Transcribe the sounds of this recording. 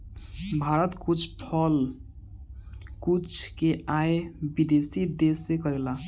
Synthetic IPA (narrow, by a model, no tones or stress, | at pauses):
bʱaɾət̪kut͡ʃʰpʰəl | kut͡ʃʰkeaebid̪esid̪esːekəɾela